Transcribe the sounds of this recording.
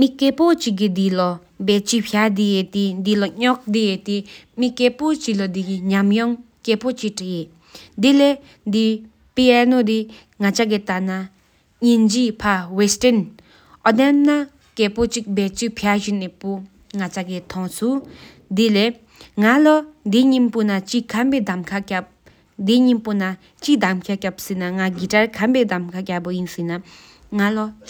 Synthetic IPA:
mikepot͡ɕiɡ̬id̪ilɔ | bɛt͡ɕipʰjad̪ijet̪id̪ilɔɲɔk̚d̪ijet̪imikepot͡ɕilɔd̪ikiɲamjɔŋkepot͡ɕiʈ͡ʂije | d̪ile | d̪i | piɛnod̪i | ŋat͡ɕʰaɡ̬it̪ana | ɲind͡ʑipʰawesten | ʔɔd̪amna | keːpot͡ɕik̚bɛt͡ɕipʰaʑinːepo | ŋat͡ɕʰakit̪ʰɔŋsʰu | d̪ile | ŋalɔd̪iɲimpunat͡ɕikʰambed̪amkʰakap̚ | d̪iɲimpona | t͡ɕid̪amkʰakap̚sinaŋaɡiʈ͡ʂaɹkʰambed̪amkʰakapojinsina | ŋalɔ

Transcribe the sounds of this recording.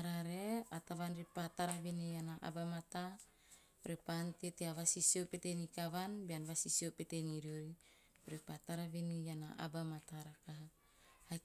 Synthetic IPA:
aɾaɾeat̪aβanɾipat̪aɾaβenejanaʔa̰bamat̪a | ɾepant̪eteaβasisiopetenikaβanbeanβasisiopeteniɾioɾi | ɾipat̪aɾaβenijana̰ʔa̰bamat̪aɾakaɦa | ha

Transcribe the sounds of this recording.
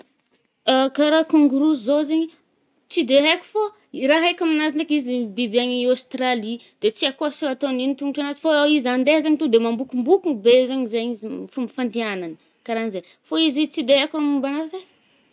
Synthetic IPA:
akaɾakuŋɡuɾuzozeɲi | t͡sid̪eɦekʲu̥fo | ɾaɦajkʲaminazinekizibibiaɲiost̪ɾali | d̪̥et͡siakoasuɾat̪oninit̪uŋuʈ͡ʂanazi̥foizand̪eɦazeɲit̪ud̪emambukumbukubezaɲizeɲizifumfand̪ianani̥ | kaɾainzej | foizit͡sid̪eɦekuɾamumbanaɾzaj

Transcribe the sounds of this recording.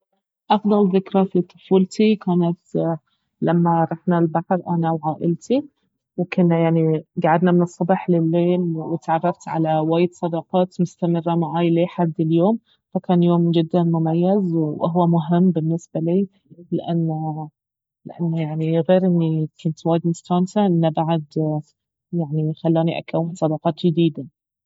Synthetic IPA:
ʔɑfd̪ˤɑlðɪkɾafit̪ˤʊ̥fuːlt̪ikaːnat̪ | lamːaɾˤɑħnalbaħɾˤʔanawʕaːʔɪlt̪i | wkʊnːajaʕniɡaʕad̪namɪnɨsˤːɑbɑħlɪlːeːlwɪt̪ʕɑrˤːɑft̪ʕa̰lawaːjːɪd̪sˤɑd̪ɑqɑːt̪mʊst̪amɪrˤːamaʕaːjleːħad̪ːɪljoːm | fakaːnjoːmd͡ʒɪd̪ːanmʊmajːazwʔaɦwːamʊɦɪmːbɪnːɪsbaliː | lɪʔanːa | lɪʔa̰nːajaʕniɣeːɾʔɪnːikʰʊnt̪waːjɪd̪mʊst̪aːnt̪aʔɪnːabaʕad̪ | jaʕnixalːaːniʔa̰kawːɪnsˤɑd̪ɑqɑːt̪d͡ʒɪd̪iːd̪a

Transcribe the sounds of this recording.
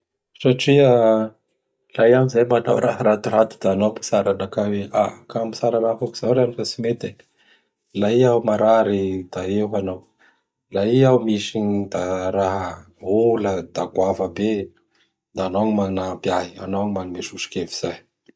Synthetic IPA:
saʈ͡ʂiə | lajamizajmana̰wɾaɦaɾat̪iɾat̪u̥d̪̥aanowpi̥saɾanakaweʔakamisaɾanafuki̥z̥awɾanifəsimet̪e | laiawmaɾaɾid̪̥aeɦanow | laiawmiʃiɲid̪aɾaɦə | uləd̪akwavəbe | d̪aanoŋmanabiaɦia̰nowɲimanimeʃuʃi̥keviz̥aj

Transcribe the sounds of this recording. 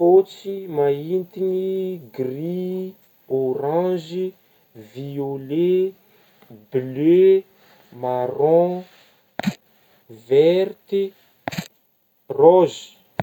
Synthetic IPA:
fot͡simaint̪iniɡri | oɾãʒi | viole | ble | maɾɔ̃ | vɛrt̪i | rɔzi̥

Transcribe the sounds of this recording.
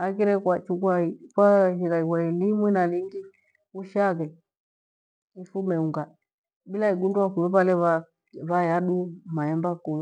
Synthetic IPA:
akiɾɛkwat͡ʃukwaikwaɦikaikwailimwinaliŋɡi | uʃaɣɛ | ifumɛuŋɡa | ɓilaiɡundwakuɛβalɛβa | βajaɗumaɛmbakul

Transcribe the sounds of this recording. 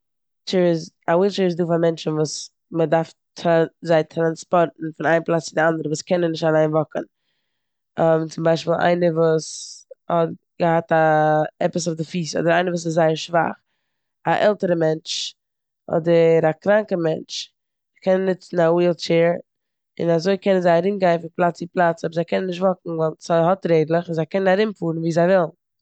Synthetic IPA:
t͡ʃɛːɾɪz | awiːlˠt͡ʃɛːɾɪzduːfamɛnt͡ʃn̩vuːs | mədaɾfʰ | azaɪtʰɾanspɔɾtn̩fɪnaɪnplˠat͡st͡sɪdɪandəɾəvuːskɛnənːɪʃtalˠaɪnvɔkən | ɔmt͡sɪmbaɪʃpiːlˠʔa̰ɪnəvuːshɔt | ɡ̥əhataɛpəs̬ʊfdɪfiːsɔ̰dəɾaɪnəvuːs̬ɪszaɪəɾʃva̰χ | aʔɛlˠtəɾəmɛnt͡ʃ | ɔ̰dəɾakɾaŋkəmɛnt͡ʃ | kʰɛnnːɪt͡sn̩awiːlˠt͡ʃeːɾ | ɪ̰nazoɪkɛnənzaɪaɾɪmɡaɪnfɪnplˠat͡sɪplˠat͡sɔbəɾzaɪkɛnənɪʃtvɔkŋ̩valˠz̥aɪhɔtɾeɪdlˠəχɪnzaɪkɛnənaɾɪmfuːɾn̩viːzaɪvɪlˠn

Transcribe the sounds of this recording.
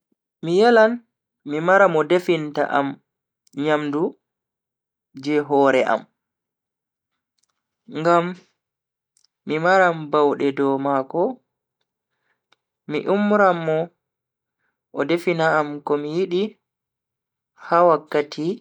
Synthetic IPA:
mijɛlan | mimaɾamɔdefinta̰ʔa̰m | ɲamdu | d͡ʒɛɦɔːɾɛʔa̰m | ŋɡam | imaɾambawɗɛdɔmakɔ | mḭʔumɾamːɔ | ʔɔdefinaːmkɔmijiɗi | hawakːatʰi

